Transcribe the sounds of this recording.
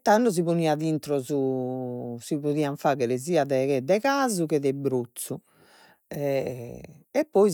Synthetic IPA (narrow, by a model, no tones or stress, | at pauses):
t̪anːɔz̬iβuniːaðint̪ɾɔzu | siβuðiːaɱfaːɣɛɾɛziːaðɛɣɛd̪ɛɣaːzukɛðɛbɾot̪su | ɛ | ɛpːɔi